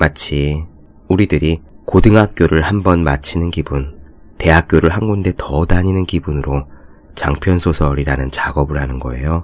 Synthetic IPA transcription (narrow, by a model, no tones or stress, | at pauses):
mat͡ɕʰi | uɾidɯɾikodɯŋɦak̚k͈joɾɯɭhambʌnmat͡ɕʰinɯnkibun | te̞ɦak̚k͈joɾɯɭɦanɡunde̞tʰʌdaɲinɯnkibunɯɾo | t͡ɕaŋpʰjʌnsʰosʰʌɾiɾanɯnt͡ɕaɡʌbɯɭɦanɯnɡʌ̰e̞̰jo